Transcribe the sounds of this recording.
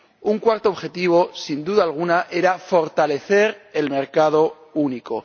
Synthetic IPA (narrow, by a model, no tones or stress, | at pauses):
uŋkwaɾt̪oːβxe̞t̪iβ̞o̞sind̪uðaːlɣ̞unaʔe̞ɾafo̞ɾt̪ale̞θe̞ɾe̞lme̞ɾkað̞o̞ | uniko̞̰